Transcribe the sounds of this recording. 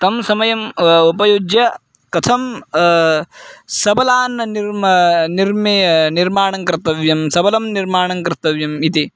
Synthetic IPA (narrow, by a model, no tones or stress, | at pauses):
t̪ɐmsɐmɐjɐmupɐjoːd͡ʒjɐ | kɐt̪ʰɐm | sɐbɐlaːnːɐniɾniɾmniɾmaːɳ̃ɐŋkɾt̪ɐʋjɐmsɐbɐlɐmniɾmaːɳ̃ɐŋkɾt̪ːɐʋjɐmit̪i